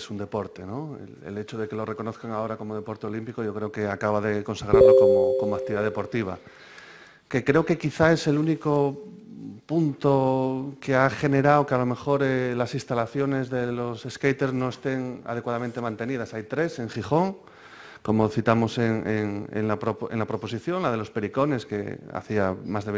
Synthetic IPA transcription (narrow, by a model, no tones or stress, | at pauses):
sund̪e̞po̞ɾt̪e̞no̞ḛlḛle̞t͡ʃoð̞e̞ke̞lo̞re̞ko̞no̞θkaŋao̞ɾako̞mo̞ð̞e̞po̞ɾt̪e̞o̞limpiko̞ʝo̞kɾeoke̞akaβaðe̞ko̞nsaɣɾaɾlokomoko̞moak̚t̪iβiðaðe̞po̞ɾt̪iβ̞a̰ | ke̞kɾe̞oke̞kiθae̞se̞luniko | punt̪okeaχe̞ne̞ɾawokealo̞me̞xo̞ɾelasinst̪alaθjo̞ne̞zðe̞lo̞se̞skejt̪e̞ɾzno̞e̞st̪e̞ŋa̰ðekwaðament̪e̞mãnt̪e̞nið̞asajt̪ɾe̞se̞ŋxiχo̞ŋ | ko̞mo̞θit̪amo̞seŋḛŋḛnlapɾoe̞̰nlapɾo̞po̞siθjo̞nlað̞e̞lo̞spe̞ɾiko̞ne̞ske̞̰a̰θiamazðe̞